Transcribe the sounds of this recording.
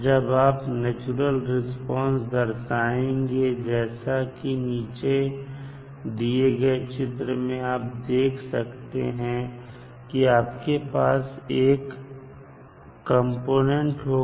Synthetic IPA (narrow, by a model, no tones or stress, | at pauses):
d͡ʒɐbaːpnɛːt͡ʃuɾəlɾɪspɔ̃ːnsd̪ɐɾsaːẽŋɡed͡ʒɛːsakiniːt͡ʃe | d̪ieɡəet͡ʃɪt̪ɾəmẽaːp̚d̪eːkʰsɐkt̪ḛɦɛ̃ | kiaːpkepaːseːk | ə̃mpoːnẽɳʈɦo